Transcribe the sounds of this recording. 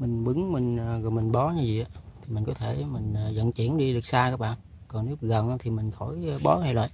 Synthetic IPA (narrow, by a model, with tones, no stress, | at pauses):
mï˨˩ŋ̟ɓɨ˨˦ŋmï˨˩ŋ̟ː˨˩ɣɔ˨˩jmï˨˩ŋ̟ɓɔ˨˦ɲa˨˦vḭ˧˨ʔaː˨˦t̪ʰi˨˩mï˨˩ŋ̟kɔ˨˦t̪ʰe˧˩mï˨˩ŋ̟ː˨˩zə̰˧˨nt͡ɕi˧˩ənɗi˧ɗɨ˨˩ək̚saː˧kaː˦˥k̚ɓa̰ː˧˨n | kɔ˨˩nnu˨˦˥ɣə˨˩nː˧˦t̪ʰi˨˩mï˨˩ŋ̟xʰo˧˩jɓɔ˨˦ŋa˨˧˩jlə̰ː˧˨j